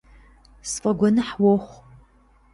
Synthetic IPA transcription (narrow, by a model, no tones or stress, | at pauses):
sfʼɐɡʷɔnɨħwɔχʷ